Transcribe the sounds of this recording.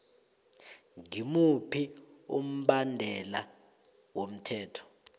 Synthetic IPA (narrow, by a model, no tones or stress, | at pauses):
ŋimupʰium̩ɓandʱɛla | wom̩tʰɛːtʰɔ̥